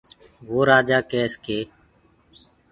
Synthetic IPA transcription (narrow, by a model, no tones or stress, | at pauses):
ʋoːɾaːd͡ʒaːkɛːskeː